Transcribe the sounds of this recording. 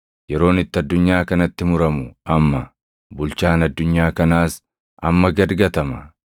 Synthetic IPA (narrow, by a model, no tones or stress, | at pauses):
jɛɾo̞ːnɪt̪ːɪɐd̪ːʊɲːaːkɐnɐt̪ːɪmʊɾɐmʊɐmːɐ | bʊlt͡ʃaːnɐd̪ːʊɲːaːkɐnaːs | ɐmːɐɡɐd̪ɡɐt̪ɐmɐ